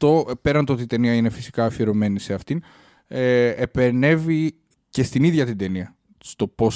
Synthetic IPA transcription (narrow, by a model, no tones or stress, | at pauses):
t̪o̞pe̞ɾɐnt̪o̞t̪it̪e̞niɐine̞fi̥si̥kɐːfieɾo̞me̞niseɐft̪in | epene̞vi | ce̞st̪iniðʝɐt̪ind̪e̞niɐ | st̪o̞po̞s